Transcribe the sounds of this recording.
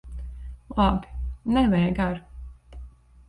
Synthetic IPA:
lˠabʲi̥nɛvɛjɡaɾ

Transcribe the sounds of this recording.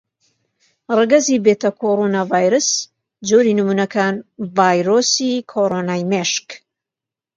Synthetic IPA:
rɨɡɐzibeːt̪ɐkʰoɾonavaːjɾɨs | d͡ʒoːɾinɨmunɐkʰaːnvaːjɾosikʰoɾonaːjmeʃk

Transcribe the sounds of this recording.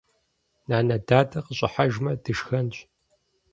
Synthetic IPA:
naːnɐdaːdɐqəɕʼɪħaʒmɐdɨʃxɐnɕʼ

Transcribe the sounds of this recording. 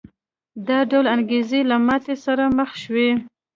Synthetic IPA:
d̪ɑɖawlanɡezelamɑt̪esaɾaməxʃwe

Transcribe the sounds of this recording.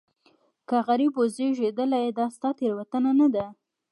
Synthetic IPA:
kaɣaɾibozeʒed̪əlajed̪ɑst̪ɑt̪eɾwat̪ənanad̪a

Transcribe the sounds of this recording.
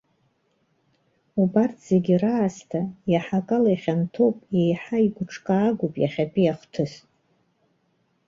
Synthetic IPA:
ubartʰz̥eɡʲiraːstʰajaħakʼalajχʲantʰo̞wpʼje̞jħaiɡʷʊʈ͡ʂʰkʼaːɡʷʊpʼjaχʲapʼijaχʷtʰɨsʼ

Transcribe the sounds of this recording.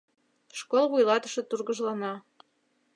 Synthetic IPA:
ʃkolˠβujlɑt̪ə̥̆ʃɤ̆t̪urɣəʒlɑnɑ

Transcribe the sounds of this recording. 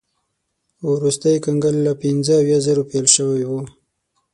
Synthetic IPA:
wɾust̪əjkaŋɡəllapɪnzəawjazəɾopelʃəwajwu

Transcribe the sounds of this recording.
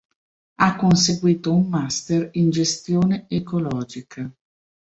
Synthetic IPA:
akːons̬eɡwiːt̪oumːast̪erind͡ʒest̪joːneekolɔːd͡ʒikʰa

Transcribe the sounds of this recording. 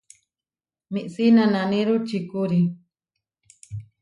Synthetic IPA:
mĩʔsinãnãnĩɾut͡ʃikuɾi

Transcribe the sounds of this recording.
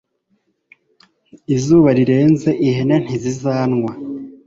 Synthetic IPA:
izuːβaɾiɾe̞ːnze̞ʔihenen̥izizaːnŋwa

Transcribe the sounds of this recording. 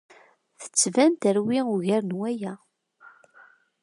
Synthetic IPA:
θə̥t͡sːvænt̪əɾwiuʝæɾnwæjæ

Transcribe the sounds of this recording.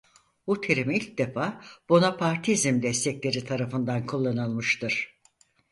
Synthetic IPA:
but̪ʰeɾimilʲc̚d̪efaːb̥onapʰaɾt̪ʰizimd̪ɛst̪ʰɛclʲe̞ɾit̪ʰaɾafɯnd̪ankʰulˠːanɯlˠmɯʃt̪ɯɾ̥

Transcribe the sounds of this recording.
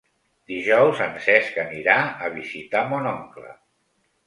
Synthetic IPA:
d̪iʒɔwzənsɛskəniɾaəβizit̪amɔnɔŋklə̰

